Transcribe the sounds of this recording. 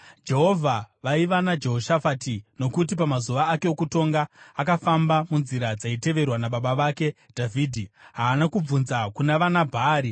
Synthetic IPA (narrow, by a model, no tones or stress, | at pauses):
d͡ʒe̞ɦo̞vʱaʋaiʋanad͡ʒe̞ɦo̞ʃafatino̞kut̬ipamazuʋaːke̞okuto̞ŋɡaakafambamunziɾad͡zaite̞ʋe̞rwanaɓaɓaʋake̞ | dʱavʱiːdʱiɦaːnakub͡vunzakunaʋanabʱaːɾi